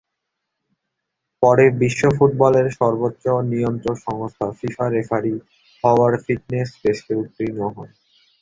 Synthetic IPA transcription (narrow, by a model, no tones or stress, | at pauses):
pɔɾebiʃːofuʈ̚bɔleɾʃɔɾbotːɕonijont̪ɾonʃɔŋost̪ʰafifaɾefʰaɾi | ɦɔaɾfiʈ̚nesbeʃʈeut̪ːɾinaɦɔn